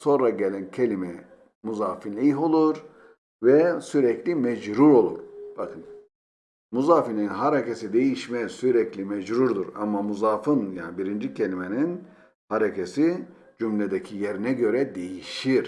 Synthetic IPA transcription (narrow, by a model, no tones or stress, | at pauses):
so̞nɾaɟelʲɛncʰelʲimɛ | muzaːfinʲiɦo̞lˠuɾ | vɛsyɾɛclʲimɛd͡ʒɾuɾo̞lˠṵɾb̥akʰɯn | muzaːfinlʲiinɦaɾecesid̪e̞jiʃmɛsyɾɛclʲimɛd͡ʒɾuɾd̪uɾa̰mamuzaːfɯnjaːnibiɾind͡ʒicʰe̞lʲimenin | haɾecʰesi | d͡ʒymlʲed̪ecʰijeɾinɛɟø̞ɾɛd̪e̞jiʃiɾ̥